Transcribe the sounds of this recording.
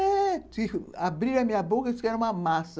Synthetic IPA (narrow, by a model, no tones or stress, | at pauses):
ɛtiabɾiɾamĩabokɐtu̥kɛɾũmamas